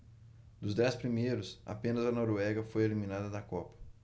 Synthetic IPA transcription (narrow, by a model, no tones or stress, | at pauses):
d̪ʊzd̪ɛspɾimejɾʊsa̰pẽnɐzɐnɔɾoɛɡɐfojelimĩnad̪ɐd̪ɐkɔpɐ̥